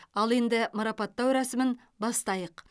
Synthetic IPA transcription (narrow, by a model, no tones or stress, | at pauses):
ɑlˠe̞nd̪ɪmɑɾɑpɑt̪ːɑwɾæsɪmɪn | bɑst̪ɑjəq